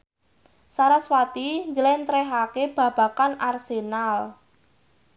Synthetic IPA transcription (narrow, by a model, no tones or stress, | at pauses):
saɾaswat̪iɲd͡ʒəlɛnt̪ɾɛɦakeb̥ä̤b̥a̤kanarsenal